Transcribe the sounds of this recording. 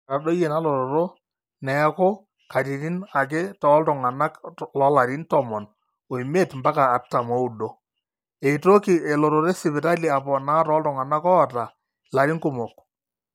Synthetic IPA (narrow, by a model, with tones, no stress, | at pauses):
a˨ɗo˦jɛ˨na˦lɔ˨ɾɔ˨ɾo˦ | nɛ˨˦ko˦ | ka˨ti˨ɾi˦na˨k̬ɛ˦tɔ˨˦ltɔ˨ŋa˨na˦klɔ˦la˨ɾi˦ntɔ˨mɔ˨n | o˨i˨me˦˨tmba˦kaː˨tːa˨mɔ˨˦u˨do˦ | e˨to˦ki˨ɛ˨lɔ˨ɾo˨ɾe˦sɪ˨bɪ˨ta˦li˨a˨pɔ˨na˦tɔ˦ltɔ˨ŋa˨na˦kɔ˦˨ta˨ | la˨ɾɪ˦ŋkʊ˨mɔ˨k̚